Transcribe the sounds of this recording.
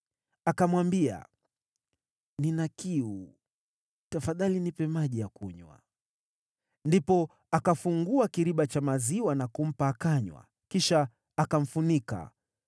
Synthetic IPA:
akamwambia̰ | ninakiu | tafaðalinipɛmaʄijakuɲwa̰ | ndipɔ | akafuŋɡuakiɾiɓat͡ʃamaziwanakum̩paːkaɲwa̰ | kiʃaː | kam̩funika̰

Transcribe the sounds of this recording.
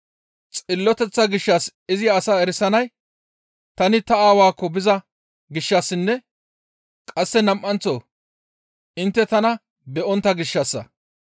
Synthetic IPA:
t͡sʼɪlːɔt̪ɛt͡sːɐɡɪʃːaːsɪzɪːsaːɛɾɪsɐnɐj | t̪ɐnɪt̪ɐaːwaːkːɔbɪzɐ | ɡɪʃːaːsːɪnːɛ | kʼɐsːɛnɐmʔɐnt͡so̰ː | ʔɪnt̪ːɛt̪ɐnɐ | bɛʔɔnt̪ːɐɡɪʃːasːɐ̰

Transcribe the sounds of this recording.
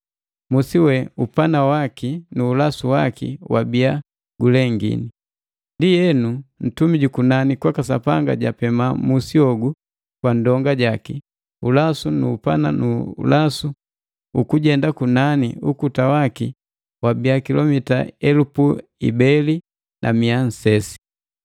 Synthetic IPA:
musiwɛupanawakinuːlasuwakḭwa̰bia | ɡulɛŋɡḭni | ndijɛnun̩tumiɟukunanikwakasapaŋɡa̰ɟapɛmamusiɔɡu | kwandɔŋɡaɟaki | ulasunṵːpana̰nṵlasu | ukuɟɛndakunanḭukutawaki | wabiakilɔmita̰ɛlupuḭbɛli | nʔa̰mian̩sɛsi̥

